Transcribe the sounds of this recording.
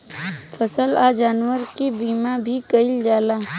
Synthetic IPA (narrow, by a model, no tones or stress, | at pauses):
pʰəsəlad͡ʒaːnwəɾkibiːmabʱikəɪld͡ʒaːlaː